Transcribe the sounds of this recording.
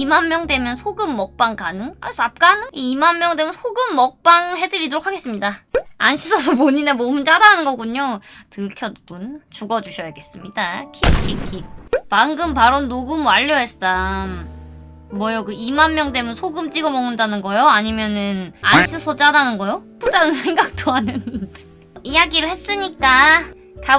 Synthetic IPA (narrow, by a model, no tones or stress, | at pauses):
imanmjʌŋdwe̞mjʌnsʰoɡɯmːʌk̚p͈aŋkanɯŋa̰ɭs͈oap̚k͈anɯŋiimanmjʌŋde̞mjʌnsʰoɡɯmːʌk̚p͈aŋɦe̞dɯɾidoɾokʰaɡe̞s͈ɯmɲidaanɕʰisʰʌsʰʌpoɲinemomɯnt͡ɕ͈adanɯnɡʌɡuɲotɯɭkʰjʌt̚k͈unt͡ɕuɡʌd͡ʑuɕʰʌjaɡe̞s͈ɯmɲidakʰikʰikʰimaŋɡɯmpaɾonːoɡɯmwaʎːʌɦe̞s͈am | mwʌjʌkɯimanmjʌŋt͈e̞munsʰoɡɯmt͡ɕ͈iɡʌmʌŋɯndanɯnɡʌjoaɲimjʌnɯnanɕʰisʰʌt͡ɕ͈adanɯnɡʌjop͈ud͡ʑanɯnsʰe̞ŋɡak̚t͈oanɯn | ijaɡiɾɯɭhe̞s͈ɯɲik͈a | ka